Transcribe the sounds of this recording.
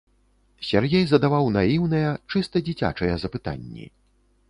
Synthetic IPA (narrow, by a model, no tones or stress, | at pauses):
sʲarɣʲɛjzɐd̪avawnajiwnɐjɛt͡ʂɨst̪ɐd͡zʲit͡sʲa̰t͡ʂɐjɛzɐpɨt̪a̰nʲːḭ